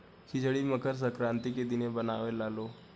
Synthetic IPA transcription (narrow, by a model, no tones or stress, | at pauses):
kʰɪd͡ʒɽiməkəɾs̬əkɾãːnt̪iked̪ɪnebɐnaːʋelaːloː